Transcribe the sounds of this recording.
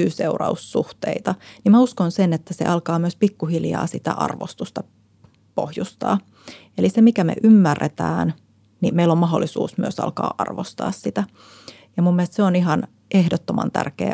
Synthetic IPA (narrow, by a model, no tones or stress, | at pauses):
yːseurɑusːuht̪eit̪ɑnimmæuskonsenet̪ːæsḛʔɑlkɑːmyøspikːuhiljɑ̰ːsit̪æ̰ʔɑ̰rʋo̰st̪ust̪ɑ | po̰hjust̪ɑ̰ː | elisemikæmḛʔymːærːḛt̪æ̰ːn | nimeilommɑɦolːˑisṵːsmyøsɑ̰lkɑ̰ːʔɑrʋost̪ɑ̰ːssit̪æ | jɑmumːielest̪seoniɦɑn | ʔehdot̪ːomɑ̰nt̪æ̰rkḛː